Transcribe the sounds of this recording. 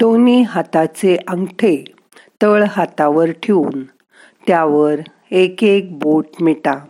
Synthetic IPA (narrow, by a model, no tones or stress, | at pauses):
t̪oniɦat̪at͡seʔəŋɡʈʰe | t̪əɭɦat̪aʋəɾʈʰeuːn | t̪jaʋəɾ | ekek̚boʈmiʈa